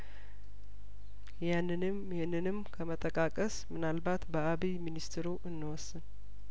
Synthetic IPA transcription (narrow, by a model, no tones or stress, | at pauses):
janːɨnɨmjɪhnːɨnɨmkʰəmət̪ʼəkʼakʼəsmɨnalbat̪bəaβiminist̪ʰɾuʔɨnːɨwɔsːɨn